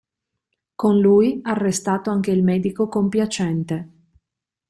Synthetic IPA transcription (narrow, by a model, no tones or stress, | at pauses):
konlujarːest̪aːt̪oaŋk̟eilmɛːd̪ikokompjat͡ʃɛnt̪e